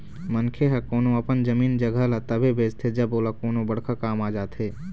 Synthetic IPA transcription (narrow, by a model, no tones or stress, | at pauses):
mənkʰeɦɛkoːnõɐpənd͡ʒɐmiːnd͡ʒɐɡʱəlat̪ɐbʱebeːst̪ʰed͡ʒɐboːlakoːnõbɐɽ̤kʰakaːmaːd͡ʒaːt̪ɦeː